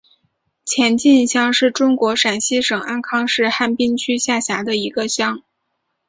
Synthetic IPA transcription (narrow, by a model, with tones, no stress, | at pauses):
t͡ɕʰjɛ˧˥nt͡ɕi˥˧nɕjɑ˥˧ŋʂɻ̩˥˩ʈ͡ʂʊ˥ŋkwɔ˧˥ʂa˨˩nɕi˥ʂɤ˨˩ŋa˥˩nkʰɑ˥ŋʂɻ̩˥˧xa˥˩npi˥nt͡ɕʰy˥ɕja˥˩ɕja˧˥d̪ə˧i˧˥ɡə˧ɕjɑ˥ŋ